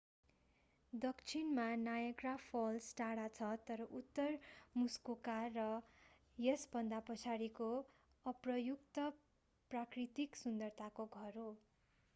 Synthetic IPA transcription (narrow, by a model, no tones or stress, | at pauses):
d̪ʌkt͡sʰinmanajʌɡrapʰʌlsʈaɽat͡sʰʌt̪ʌɾʌʔut̪ːʌrmuskokarʌ | jesbʌnd̪apʌt͡sʰaɾiko | ʌprʌjukt̪ʌ | prakrit̪iksund̪ʌrt̪ʰakoɡʱʌɾo